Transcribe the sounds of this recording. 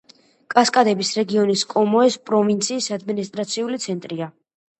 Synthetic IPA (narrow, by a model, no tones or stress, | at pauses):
kʼaskʼad̪ɛbisɾɛɡiɔniskʼɔmɔɛspʼɾɔvint̪sʰiːsad̪minist̪ʼɾat̪sʰiulit̪sʰɛnt̪ʼɾia